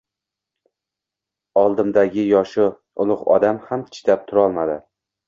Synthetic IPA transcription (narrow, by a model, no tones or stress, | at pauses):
ɒlˠd̪ɪmd̪aɡʲɪjɒʃʊ | ʊlˠʊqɒ̰d̪amhamt̪ʰɪ̥t̪ʰap̚t̪ʰʊɾɒlˠmad̪ɪ